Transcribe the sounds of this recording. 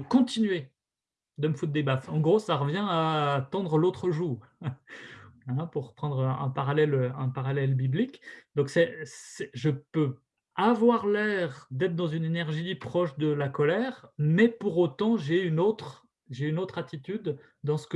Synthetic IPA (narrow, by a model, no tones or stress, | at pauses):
kɔ̃t̪inɥe | d̪əməfut̪̚d̪ebafɑ̃ɡʁosaʁəvjɛ̃at̪ɑ̃d̪ʁəlot̪χəʒuːʁ | ɛ̃puʁpχɑ̃d̪ʁəɛ̰̃paʁalɛløɛ̃paʁalɛlbiblikd̪ɔ̃ksɛsɛʒəpø | avwaʁlɛʁd̪ɛt̪χd̪ɑ̃zynenɛʁʒipχɔʃd̪əlakɔlɛʁmɛpuʁot̪ɑ̃ʒeynot̪χ | ʒeynot̪χat̪it̪yd̪ː | ɑ̃sə̥k